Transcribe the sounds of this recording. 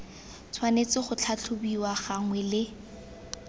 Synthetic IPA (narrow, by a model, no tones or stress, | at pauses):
t͡sʰwanet͡sɪχʊt͡ɬʰat͡ɬʰʊbiwaχaŋwɛlɪ